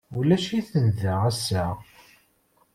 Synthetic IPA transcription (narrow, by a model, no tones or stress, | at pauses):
ulæʃiθənðæʁæsæ